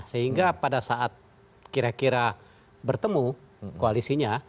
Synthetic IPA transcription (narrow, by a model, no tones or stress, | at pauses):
səɦiŋɡapadasaʔat̪̚ | kiɾakiɾa | bərt̪əmukoalisiɲa